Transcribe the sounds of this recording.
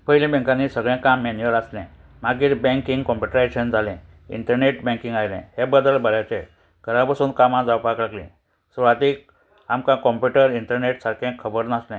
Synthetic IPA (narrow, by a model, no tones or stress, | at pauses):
pəɦilĩbɛ̃ŋkãnːisəɡɭɛ̃kamːenjəɾaslɛ̃ | maɡiːɾbɛ̃ŋkĩŋɡkɔ̃mpuʈəɾeɕənd͡zʱalɛ̃ | ḭɳʈəɾneʈbɛ̃ŋkĩŋɡajlɛ̰̃hẽbəd̪əlbəlat͡ɕɛ | ɡ̥ʱəɾapasuːnkamãd͡zawpaklaɡlḭ̃ | sʋat̪iːk̚ | amkãkɔ̃mpuʈəɾiɳʈəɾneʈsaɾkʰɛ̃kʰːəbəɾnaslɛ̃